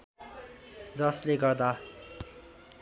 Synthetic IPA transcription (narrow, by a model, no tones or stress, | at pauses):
d͡zʌsleɡʌrd̪a